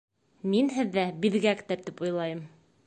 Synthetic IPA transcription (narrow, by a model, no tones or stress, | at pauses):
minɦɘ̆ðːæbiðɡækt̪ɘɾt̪ipujlˠɑjɤm